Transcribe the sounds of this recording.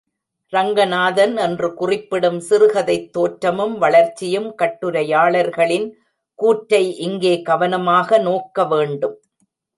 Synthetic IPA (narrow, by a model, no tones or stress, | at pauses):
ɾɐŋɡɐnaːðɐnɛndrɯkʊrɪpːɪɽɯmsɪɾɯɣɐðɐɪt̪ːoːʈɾɐmɯmʋɐɭɐɾt͡ʃːɪjɯmkɐʈːɯɾɐjaːɭɐɾɣɐɭɪn | kuːʈɾɐɪʔɪŋɡeːɡɐʋɐnɐmaːɣɐnoːkːɐʋeːɳɖɯm